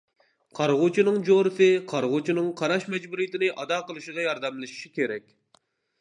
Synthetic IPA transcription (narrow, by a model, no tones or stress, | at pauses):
qʰɑɾʁʊt͡ʃʰinɨŋd͡ʒoɾɨsɨqʰɑɾʁʊt͡ʃʰinɨŋqʰɑɾɑʃmɛd͡ʒbuɾijit̪ɪnɪʔɑd̪ɑqəlˠɨʃəʁɑjɑɾd̪ɛmlˠɨʃi̥ʃikʲeɾɛk̚ʲ